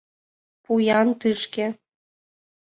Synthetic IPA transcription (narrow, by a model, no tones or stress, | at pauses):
pujɑnt̪ɨʃke